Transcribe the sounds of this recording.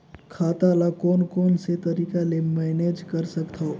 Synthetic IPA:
kʰaːt̪alakɔːnkɔːnset̪əɾiːkalemɛːneːd͡ʒkəɾsəkt̪ʰao

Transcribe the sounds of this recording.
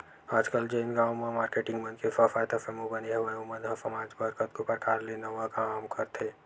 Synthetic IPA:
aːd͡ʒkəld͡ʒoɪnɡaːõmẽmaːɾkeːʈɪ̃ŋɡmənkefɐfaːjt̪afɛːmũbɐniɦɛʋɐumə̃d̪ʱɐsɐmaːd͡ʒbəɾkət̪kopɾɐkaːɾlenɐʋakamkʰɐɾt̪ʰeː

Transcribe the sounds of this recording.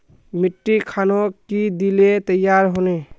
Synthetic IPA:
miʈːikʰanokid̪ilet̪əjːaɾɦone

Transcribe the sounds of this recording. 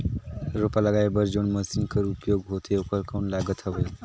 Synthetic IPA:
ɾopaləɡaːebəɾd͡ʒonməsinkəɾupjoɡɦot̪ʰeokəɾkanlaɡət̪ɦəbej

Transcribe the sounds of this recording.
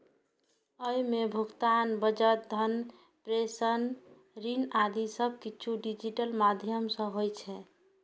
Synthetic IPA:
əjmebʱuɡt̪anbəd͡ʒət̪̚d̪ʱən | pɾesən | ɾinad̪isəb̚kiːt͡ʃʰuɖid͡ʒiʈəlmad̪ʱjəmsə̃ɦojt͡ʃʰɛ

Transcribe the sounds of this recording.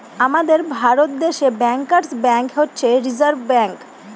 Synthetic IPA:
amad̪eɾbʱaɾot̪̚d̪eʃebɛŋkaɾsbɛŋkɦotːɕʰeɾizaɾbʱbɛŋk

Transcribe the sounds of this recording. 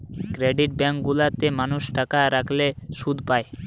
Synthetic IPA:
kɾeɖiʈ̚bɛŋkɡulat̪emanuʃʈakaɾakʰleʃud̪ʱpae

